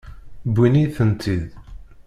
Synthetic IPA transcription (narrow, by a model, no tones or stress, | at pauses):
bːiniθənt̪ʰið